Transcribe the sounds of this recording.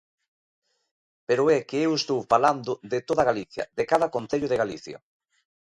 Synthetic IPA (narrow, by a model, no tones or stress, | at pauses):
peɾʊɛkeewest̪owfaland̪ʊðet̪oðɐɣaliθjɐ̰ðekaðɐkon̟θeʎʊðeɣaliθjɐ̰